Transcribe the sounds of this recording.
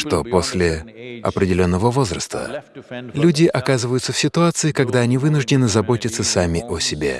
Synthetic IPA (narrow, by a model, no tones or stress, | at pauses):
ʂt̪o̞po̞sʲlʲɪɐ̰pɾʲɪdʲɪlʲo̞nːəvəvo̞zrəst̪ə̰lʲudʲɪʔɐkazɨvəjʊt̪səfʲsʲɪt̪ʊat̪sɨɪkɐɡd̪aɐnʲivɨnʊʐdʲɪnɨzɐbo̞tʲɪt̪səsamʲɪʔosʲɪbʲe̞̰